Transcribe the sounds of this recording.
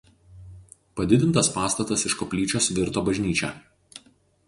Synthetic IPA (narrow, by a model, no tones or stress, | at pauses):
pɐd̪ʲɪd̪ʲɪnt̪ɐspɑːst̪ɐt̪ɐsɪʃkɔpʲlʲiːt͡ʃʲoːsʋʲɪɾt̪oːbɐʒʲnʲiːt͡ʃʲɛ̰ːˑ